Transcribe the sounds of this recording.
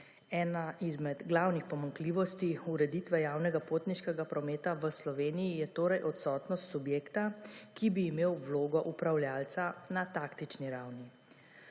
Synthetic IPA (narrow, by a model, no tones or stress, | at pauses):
ɛːnaʔizmɛd̪ɡlawnixpɔmaŋkliːʋɔst̪iuɾɛd̪it̪ʋɛjaːwnɛɡapoːt̪niʃkɛɡapɾɔmeːt̪aʋəslɔʋeːnijijɛt̪oːɾɛjʔɔt̪sɔːt̪nɔst̪subjeːkt̪akibiːmeːwʋloːɡɔʔupɾawljaːlt̪sanat̪aːkt̪it͡ʃniɾawni